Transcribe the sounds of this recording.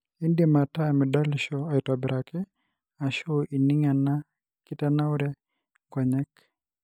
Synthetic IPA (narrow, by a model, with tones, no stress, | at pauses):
i˦ndema˨ta˦mɪ˨da˦lʃɔa˨i˨twabɪɾʔakɛ˦ | a˨ʃo˦ʔi˨ni˦ŋa˨na | ki˦tana˦uɾɛ˦ | kwɔ˨ɲɛ˦k